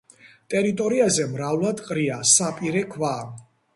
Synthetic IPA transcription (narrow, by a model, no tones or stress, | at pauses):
t̪ʼɛɾit̪ʼɔɾiazɛmɾavlˠad̪qʼɾiasapʼiɾɛkʰvaː